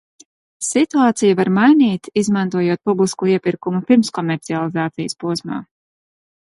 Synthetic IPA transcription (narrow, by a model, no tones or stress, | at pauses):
sit̪uaːt̪sijavaɾmajniːt̪izmant̪uɔjuːt̪̚publˠiskuiɛpiɾkumupiɾmskɔmʲɛɾt̪sialˠizaːt̪sijəspuɔsma̰ː